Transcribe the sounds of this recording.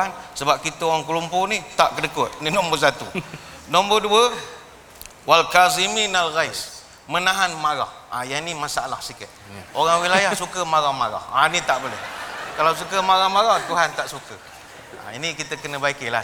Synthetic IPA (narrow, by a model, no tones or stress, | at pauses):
ansəbap̚kit̪əoɣaŋkəlumpʊnit̪aʔkədəkʊt̪̚ninɔmbərs̬at̪unɔmbəduə | walkaziminalɣajs | mənaɦanmaɾa̰h | a̰janimasaa̰lahsikət̪̚oɣaŋwilajahsukəmaɾahmaɾa̰hanit̪aʔbolehkalawsukəmaɾahmaɾaht̪uɦant̪aʔsukə | a̰inikit̪əkənəbaikila̰